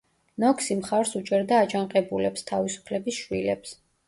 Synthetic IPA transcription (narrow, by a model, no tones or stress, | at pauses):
nɔkʰsimχaɾsut͡ʃʼɛɾd̪aːt͡ʃʰaɴqʼɛbulɛpst̪ʰavisu̥pʰlɛbisʃwilɛps